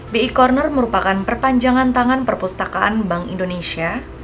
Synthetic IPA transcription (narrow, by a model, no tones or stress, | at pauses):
beikɔrnərməɾupakanpərpaɲd͡ʒaŋant̪aŋanpərpust̪akaʔa̰nbaŋḭndonesia